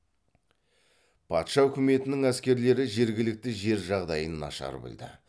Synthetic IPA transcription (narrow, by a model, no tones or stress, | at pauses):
pʰɑt̪ʃɑʏkʲɪme̞t̪ɪnɪŋæskʲe̞ɾle̞ɾɪʒe̞ɾɡʲɪlɪk̚t̪ɪʒe̞ɾʒɑʁd̪ɑjənːɑ̰ʃɑ̰ɾbɪ̰ld̪ɪ̰